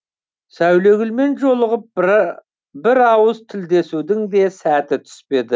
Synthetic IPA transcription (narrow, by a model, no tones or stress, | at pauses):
sæwle̞ɡʲɪlme̞nʒo̞lˠəʁəp̚ | bɪɾɑwəzt̪ʰɪld̪e̞sud̪ɪŋd̪e̞sæt̪ɪt̪ʰʏ̥spe̞d̪ɪ